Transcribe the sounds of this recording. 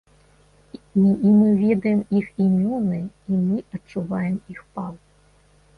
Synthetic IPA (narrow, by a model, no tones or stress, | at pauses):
imɨvʲɛd̪ɐjɛmiximʲɔnɨimɨɐt͡ʂːuvajɛmixpalˠ